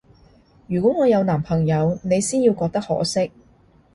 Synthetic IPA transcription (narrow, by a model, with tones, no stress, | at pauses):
jyː˨˩kʷɔ˨˥ŋɔː˨˧jɐ˨˧wnaː˨˩mpʰɐ˨˩ŋjɐ˨˧wne˨˧jsiː˥njiː˧wkɔː˧k̚t̪ɐ˥k̚hɔ̰ː˨˥sɪ˥k̚